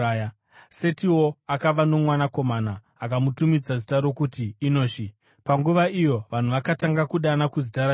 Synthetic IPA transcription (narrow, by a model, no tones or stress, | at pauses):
ja | se̞tiwo̞akaʋano̞mwanako̞manaː | kamutumid͡zazitaɾo̞kutiːno̞ːʃi | paŋɡuʋaijo̞ʋan̤uʋakataŋɡakuɗanakuzitaɾa